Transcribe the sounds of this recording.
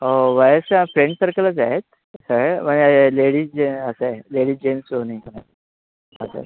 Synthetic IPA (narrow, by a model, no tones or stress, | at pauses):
ɦoʋajəsãfɾẽɳʈsəɾkələt͡saɦet̪̚ | saɦməɳeleɽiːd͡ʑeəsaeleɽiːd͡ʑemsooniĩkəna̰ | ə̰sa̰ḛ